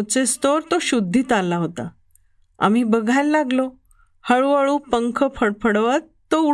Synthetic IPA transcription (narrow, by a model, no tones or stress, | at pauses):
t͡sest̪oɾt̪oɕud̪ʱːiːt̪alːaɦot̪a̰ | a̰m̤iːbəɡʱajlːaɡlo | həɭʋəɭuːpəŋkʰəpʰəɽpʰəɽʋət̪ | t̪ːou